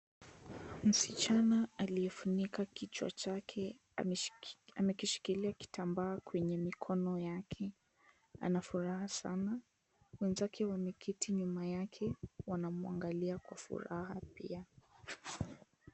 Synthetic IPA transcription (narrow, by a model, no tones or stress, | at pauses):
m̩sit͡ʃanaaliɛfunikakit͡ʃwa̰t͡ʃakʰɛ | amɛkiʃi̥kiliaki̥tambaːkwɛɲɛmikʰɔnɔjakʰɛ | a̰nafuɾahasa̰na | wɛnzakʰɛwamɛkʰitiɲumajakʰɛwanamua̰ŋɡaliakwafṵɾahapḭa